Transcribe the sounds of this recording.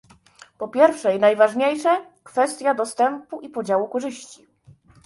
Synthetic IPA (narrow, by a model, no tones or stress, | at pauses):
pɔpʲjɛɾfʂɛjnajvaʐɲejʂɛ | kfɛst̪ʲjad̪ɔst̪ɛmpuʔipɔd͡ʑawukɔʐɘɕt͡ɕi